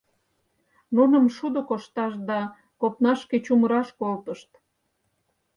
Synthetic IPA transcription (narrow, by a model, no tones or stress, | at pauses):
nunəmʃud̪okoʃt̪ɑʃd̪ɑ | kop̚nɑʃket͡ɕuməɾɑʃkolt̪əʃt̪